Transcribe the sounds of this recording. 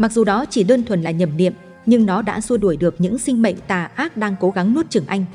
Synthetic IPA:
ma˨˩k̚zu˨˩ɗɔ˨˦t͡ɕi˧˩ɗəː˧nt̪ʰwə˨˩nlaː˨˩ɲə˨˩m̚nḭ˧˨əm | ɲɨ˧ŋnɔ˨˦ɗa̰ː˧˥su˧ɗu˧˩əjɗɨ˨˩ək̚ɲɨ̰˧˥ŋsï˧ŋ̟mə̰˧˨ŋ̟t̪aː˨˩ʔaː˦˥k̚ɗaː˧ŋko˨˦ɣa˨˦ŋnu˦˥t̚t͡ɕɨ˧˩ŋʔa˧jŋ̟

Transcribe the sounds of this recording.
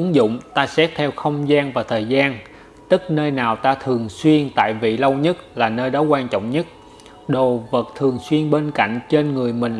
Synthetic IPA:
ɨ˨˦ŋzʊ̰˧˨ŋ͡mt̪aː˧sɛ˦˥t̚t̪ʰɛ˧wxə˧wŋ͡mzaː˧nvaː˨˩t̪ʰəː˨˩jzaː˧n | t̪ɨ˦˥k̚nəː˧jnaː˨˩wt̪aː˧t̪ʰɨ˨˩əŋswi˧ənt̪a̰ː˧˨jvḭ˧˨lə˧wɲə˦˥t̚laː˨˩nəː˧jɗɔ˨˦kwaː˧nt͡ɕɔ̰˧˨wŋ͡mɲə˦˥t̚ | ɗo˨˩və˨˩t̚t̪ʰɨ˨˩əŋswi˧ənɓe˧nka̰˧˨jŋ̟t͡ɕe˧nŋɨ˨˩əjmï˨˩ŋ̟

